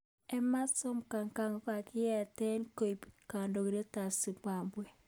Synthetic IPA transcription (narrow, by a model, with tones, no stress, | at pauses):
ɛ˦ma˦sɔ˦mka˨ŋka˦ŋo˦ka˨kɪ˦jɛ˨tɛ˦nko˨i˨pka˨ndo˨ki˨ɾe˦ta˨si˨pwa˨mbwe˦